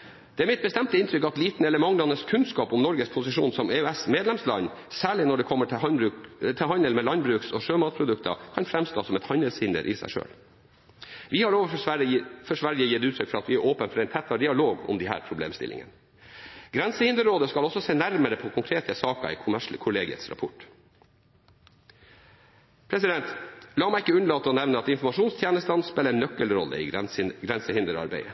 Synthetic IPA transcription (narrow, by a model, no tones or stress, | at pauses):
d̪̥ɛæɾmɪt̪̚bəst̪ɛmt̪əɪnt̪ʰɾʏkɑt̪liːt̪nɛlːəmɑŋːlɑnːəskʰʉnskɑːpɔmnɔɾɡəspʰʊsɪʂṵːnsɔmeœɛsmeːd̪lɛmslɑ̰nsæːɭɪnɔɖɛkʰɔmːəʈbɾʉːt̪ʰɪɦɑnəlmɛlɑnbɾʉːksɔʂøːmɑːt̪̚pʰɾʊd̪ʉkt̪ʰə̰kʰɑnfɾɛmst̪oːsɔmɛt̪hɑnəlshɪnd̪ə̰ɾʔɪ̰sæ̰ɪʂø̰ːl | ʋɪhɑɾoːʋə | fɔʂʋɑɾɪəjɪt̪ʉːt̪ʰɾʏkfɔɾɑt̪ʋɪæɾʔoːpənfɔɾɛɪnt̪ʰɛt̪ːɑɖɪɑloːɡʊ̰md̪ɪhæ̰ːɾpʰɾʊblḛːmst̪ɪ̰lʔɪ̰ŋə̰n | ɡɾɛnsəhɪnd̪əɾoːd̪əskɑlɔsɔseːnæɾməɾəpʰɔkʰʊŋkʰɾeːt̪əsɑːkə̰ɪkʰʊmæʂləkʰʊleːɡɪə̰t̪sɾɑ̰pʰʊʈ | pʰɾɛsɪd̪ɛnt̪lɑːmæɪɪkːəʉnəɭɑːt̪əɔnɛʋnəɑt̪ɪnfɔmɑʂuːnst̪ʰjeːnəst̪ɑnspɛləɛnːœkːəlɾɔlːə̰ɪ̰ɡɾɛnsəhɪnd̪əɾɑ̰ɾbæ̰ɪə